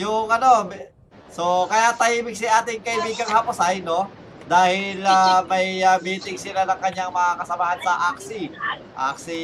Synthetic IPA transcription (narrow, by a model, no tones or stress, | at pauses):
jʊŋʔɐno̞ | so̞kɐjat̪ɐʔiːbɪɡ̚sɪʔaːt̪ɪŋkɐʔɪbiːɡɐŋhɐpʊsajno̞ | d̪aːhɪlamɐjabiːt̪ɪŋsɪlanɐŋkɐɲaŋmɐŋakɐsɐmaːhɐnsɐʔak̚si | ʔa̰ksi